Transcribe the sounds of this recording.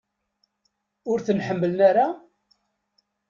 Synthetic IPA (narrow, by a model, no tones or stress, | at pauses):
ʊɾθənħəmːələnaɾa